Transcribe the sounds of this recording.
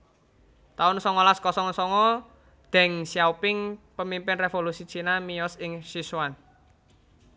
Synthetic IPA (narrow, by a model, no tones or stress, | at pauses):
t̪aʊnsɔŋɔlaskɔsɔŋsɔŋɔ | d̪̥ɛ̤ŋsiaupɪŋpəmimpɪnrefolusit͡ʃinamijɔsɪŋsiswan